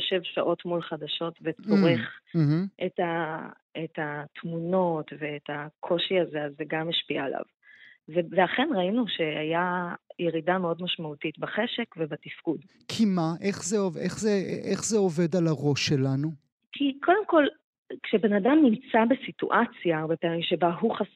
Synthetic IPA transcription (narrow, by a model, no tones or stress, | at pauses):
oʃevʃaʔo̞tmulχadaʃo̞tveoʁeχ̩ɦ̩ʔeta | etat̪ʰmuno̞tve̞ːtakʰo̞ʃiazeazeɡameʃpia̰ːlʔa̰v | veleaχe̞nʁainuʃe̞ajajeʁidameo̞dmaʃmautitbaχeʃekvebatifkud | kʰimaʔe̞χzeoveχzeʔeχzeove̞dalaʁo̞ʃːelanu | kʰikʰo̞de̞mko̞l | kʃebe̞nadamnimt͡sabesitṵʔat͡sjaʁbepaːmimʃebaɦuχas